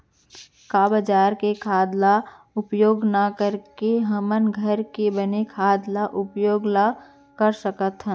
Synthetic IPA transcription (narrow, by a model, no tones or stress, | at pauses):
kabəd͡ʒaːɾkekʰaːd̪la | ʊpjoːɡnakəɾkeɦəmənɡʱəɾkebənekʰaːd̪laʔʊpjoːɡla | kəɾsəkət̪ɦə̃